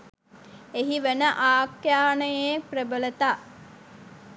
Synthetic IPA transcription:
eɦiʋenəʔaːkjaːnəjeprebələt̪a

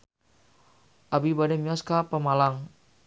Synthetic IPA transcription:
ʔabibadɛmiɔskapəmalaŋ

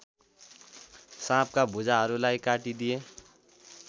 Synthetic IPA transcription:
sãːp̚ʰkabʊd͡ʒaɾulaːikaːʈid̪ije

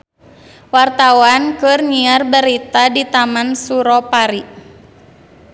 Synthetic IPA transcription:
wart̪awankɨrniarbəɾit̪adit̪amansuɾɔpaɾi

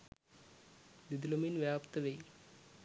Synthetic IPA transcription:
d̪id̪lominʋjaːpt̪əʋej

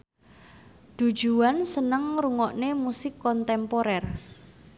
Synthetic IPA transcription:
d̪̥ṳ̥ʒ̥uwansənəŋɾuŋɔʔnemusɪkːɔnt̪ɛmpoɾɛr

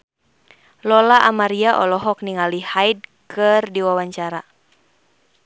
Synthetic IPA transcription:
lɔlaʔamaɾiaʔɔ̰lɔɦɔk̚niŋalihaid̚kʰɨrdiwawaɲt͡ʃaɾa

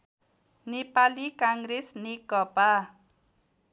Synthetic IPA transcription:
nipalikaŋɾɪsnikɔpa

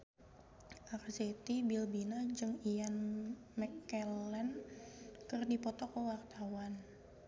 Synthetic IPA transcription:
ʔakzet̪ibilbinad͡ʒɨŋijan | mɛkːɛlɛn | kərdipɔt̪ɔkəwart̪awan

